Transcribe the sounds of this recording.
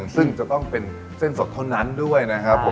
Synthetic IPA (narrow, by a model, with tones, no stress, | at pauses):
ŋsɯ˥˩ŋt͡ɕa˨˩t̪ɔ˥˩ŋpe˧n | se˥˩nso˨˩t̪ʰːa˥˩wna˦˥ndu˥˩əjna˦˥kʰa˦˥pʰːo˨˩˦